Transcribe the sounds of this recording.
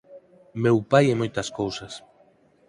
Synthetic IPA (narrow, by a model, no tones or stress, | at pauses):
mewpajemojt̪ɐskowsas